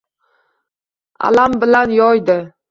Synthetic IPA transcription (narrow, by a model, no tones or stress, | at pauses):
a̰lambɪlanjɒjd̪ɪ